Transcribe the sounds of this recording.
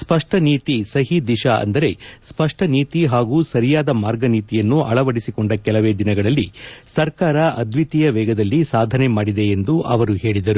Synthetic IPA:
spɐʂʈɐniːt̪isɐɦid̪iʃaɐ̰nd̪ɐɾe̞spɐʂʈɐniːt̪iɦaːɡuːsɐɾijaːd̪ɐmaːɾɡɐniːt̪ijɐnːuʔɐ̰ɭɐʋɐɽisikoɳɖɐkɛlɐʋeːd̪inɐɡɐɭɐlːisɐɾkaːɾɐʔɐd̪ʱʋit̪ijɐʋɛːɡɐd̪ɐlːisaːd̪ʱɐne̞maːɽid̪e̞end̪uʔɐʋɐɾuɦe̞ːɭid̪ɐɾu

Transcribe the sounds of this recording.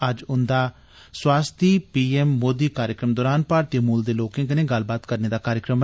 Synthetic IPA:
əd͡ʒʊnd̪aː | swaːst̪ʰiːpiːɛːmːoːd̪iːkaːɾjəkɾəmd̪ɔːɾaːnpaːɾt̪jeːmuːld̪eːloːkẽːkɪnẽːɡəlbaːt̪kəɾneːd̪aːkaːɾjəkɾəm

